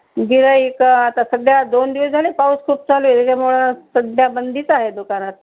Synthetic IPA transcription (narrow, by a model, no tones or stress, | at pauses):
ɡiɾəekat̪asəɡɭjad̪ond̪iʋəsd͡zʱalepauskʰuːp̚t͡saluet̪ekʰamoɭasəd̪jabənd̪ʱit̪aɦed̪ukanat̪̚